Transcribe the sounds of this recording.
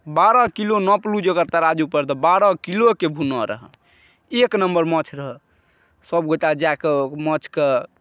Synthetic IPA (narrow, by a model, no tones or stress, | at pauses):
baɾɔkilonɔplud͡ʒəɡəɾt̪əɾad͡ʒupəɾt̪ɔbaɾɔkilokebʱunɔɾə̰ɦə | eknəmbəɾmɔt͡ʃʰɾəɦə | səbɡoʈad͡ʒaekemət͡ʃʰke